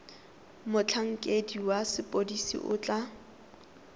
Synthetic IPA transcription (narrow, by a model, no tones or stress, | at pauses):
mʊt͡ɬʰaŋ̩kʼediwasɪpʼodisḭʔʊ̰t͡ɬʼa